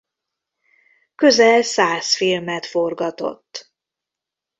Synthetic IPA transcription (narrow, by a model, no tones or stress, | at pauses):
kø̞zɛlsaːsfilmɛt̪fo̞rɡɒt̪o̞̰t̪ː